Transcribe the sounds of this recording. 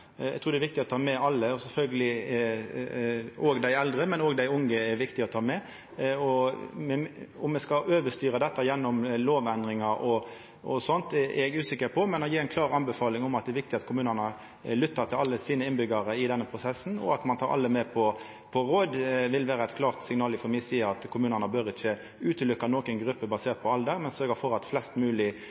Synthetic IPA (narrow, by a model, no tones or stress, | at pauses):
ɛ̰ɡt̪ʰuːɾd̪ɛʋɪk̚t̪ɪɔt̪ʰɑːmɛɑlːəɔsɛlfœlɡəlɪ | oːɡd̪æɪɛld̪ɾəmɛnoːɡd̪æɪʊŋːəɛɾʋɪkt̪ɪɔt̪ʰɑːmɛ | ɔmɛʊmːɛskɑʔøːʋəʂt̪yːɾəd̪ɛt̪ːɑjɛnːɔmloːʋænd̪ɾɪŋɑʔɔ | ɔ̰sɔnt̪ʔɛɡʉːsɪkːəɾpʰɔmɛnɔjiːɾæɪnkʰlɑːʁɑnbɛfɑːlɪŋɔmɑt̪̚d̪ɛɾʋɪk̚t̪ɪɑt̪kʰʊmʉːnənəɑ | lʏt̪ːɑʁt̪ʰɪlɑlːəsiːnəɪnbʏɡɑɾəɪd̪ɛnːəpʰʁʊsɛsːn̩ɔ̰ɑt̪mɑnʰɑːɾʔɑ̰ld̪əmɛpʰɔ | pʰɔɾoːd̪ʋɪlʋæːɾəɛt̪kʰlɑːʁt̪sɪŋnɑːlɪfɔmɪsiːɑt̪kʰʊmʉːnənəbœɾɪçə | ʉːt̪əlʏkːɑnoːkənɡɾʉpːəbɑseːʁt̪pʰɔɑld̪əɾmɛnsœɾɡəfɔɾɑt̪flɛst̪mʉːlɪ